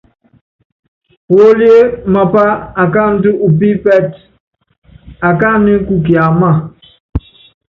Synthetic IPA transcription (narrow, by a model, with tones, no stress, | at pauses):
pwo˦li˦e˦ma˨pa˦a˨ka˦˨n̩˦tu˦ʔu˨p̬i˦pɛ˦˨t | a˨ka˦ni˦ku˦ki˨a˨ma˦˨